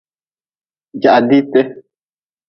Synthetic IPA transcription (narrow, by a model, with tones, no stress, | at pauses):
ja˨ʔa˨d̪i˦t̪e˦